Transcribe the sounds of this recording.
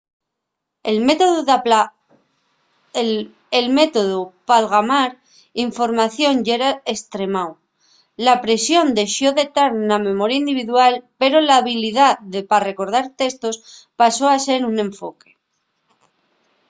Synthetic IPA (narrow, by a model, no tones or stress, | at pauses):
elmet̪oð | elme̞t̪o̞ðupalɣamaɾ | iɱfo̞ɾmaθjo̞nʝeɾae̞st̪ɾe̞maw | lapɾe̞sjo̞nd̪e̞ʃjo̞ðe̞t̪aɾnamẽ̞mo̞ɾjaind̪iβiðualpe̞ɾo̞laːβiliðaðepare̞ko̞ɾð̞aɾt̪e̞st̪o̞spaso̞ase̞ɾunẽ̞ɱfo̞ke̞